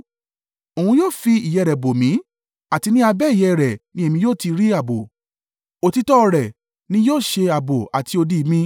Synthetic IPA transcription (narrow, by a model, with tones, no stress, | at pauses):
o˨ũ˧˦joː˦˨fi˧i˨jɛ˧˨ɾɛ˨bo˨mĩ˨˦ | a˨ti˧nĩ˦a˧bɛ˦i˦˨jɛ˧˨ɾɛ˨nĩ˦e˦˧mĩ˧joː˦˨ti˧ɾi˦a˦˨bo˨ | o˧˨ti˦tɔ˦˧ɾɛ˨ | nĩ˦joː˦˨ʃe˧a˨bo˨a̰˨ti˧o˧di˦˧˦mĩ˧